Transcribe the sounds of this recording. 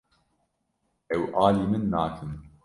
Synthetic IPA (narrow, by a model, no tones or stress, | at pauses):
ɛwʔaːliːmɨnːaːkʰɨm